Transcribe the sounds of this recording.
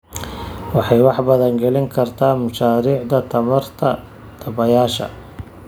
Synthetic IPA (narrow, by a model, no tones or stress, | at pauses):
wɑħɑjwɑħbɐðɐŋɡɛlɪŋkʰɐrt̪ʰaːmʊʃaːɾiːʕd̪ɐt̪ʰɐmɐrt̪ʰɐ | d̪̥ʰɐbɐjaːʃɐ̰